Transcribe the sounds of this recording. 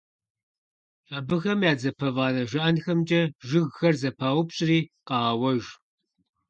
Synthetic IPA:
ɕʼabɨxɐmjaːd͡zɐpʰɐvaːnɐʒɨʔɐnxɐmd͡ʒʼɐʒɨɣxɐrzɐpʰaːwʊpɕʼriːqɑːɐwɐʒ

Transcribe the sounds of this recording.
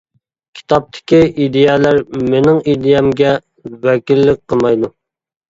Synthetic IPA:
kʲʰi̥t̪ʰɑp̚t̪ʰɪ̥kʲiʔid̪ejɛlæɾmɪnɪŋid̪ɪjɛmɡʲɛ | wɛkʲilːɪk̚ʲqəlˠmɑjd̪u

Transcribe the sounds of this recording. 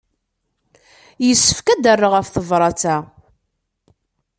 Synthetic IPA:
jəsːə̥fkæd̪ərːəʁæfθəvɾˤɑt͡sæ

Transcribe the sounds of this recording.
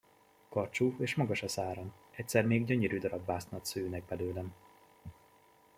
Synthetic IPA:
kɒrt͡ʃueːʃmɒɡɒʃɒsaːɾon | ɛc̚t̪sɛrmeːɡɟøɲeɾyd̪ɒɾɒbːaːsnɒt̪søːnɛɡ̚bɛløːlɛn

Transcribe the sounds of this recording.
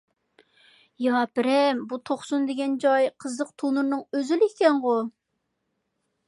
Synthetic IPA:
jɑpɪɾɛmbut̪ʰoχsund̪ɪɡʲɛnd͡ʒɑjqʰəzlˠəq̚t̪ʰunɨɾnɨŋøzylkʲɛŋʁo

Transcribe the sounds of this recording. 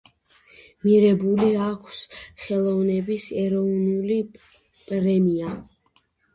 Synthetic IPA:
miɾɛbuliakʷʰsχɛlˠɔvnɛbisɛɾɔvnuli | pʼɾɛmia

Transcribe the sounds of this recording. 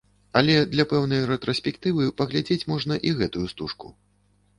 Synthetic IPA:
ɐlʲɛd̪lʲɐpɛwnɐjrɛt̪ɾɔsʲpʲɛkt̪ɨvɨpɐɣlʲad͡zʲet͡sʲmɔʐnɐʔiɣɛt̪ujust̪uʂku

